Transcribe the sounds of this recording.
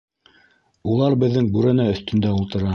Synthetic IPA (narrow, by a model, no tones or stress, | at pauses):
ulˠɑɾbɘ̆ðːɘŋbʉɾæ̆næɵ̆θt̪ɵ̆nd̪æulˠt̪ɤ̆ɾɑ